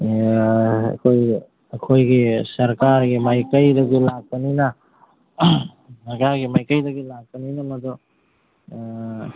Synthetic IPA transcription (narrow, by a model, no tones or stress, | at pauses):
ɐ̰kʰoj | ɐkʰojɡisɐɾkaɾɡimajkəjdɐɡilak̚ːənina | sɐɾkaɾɡimajkəjdɐɡilak̚ɐninamɐdɔ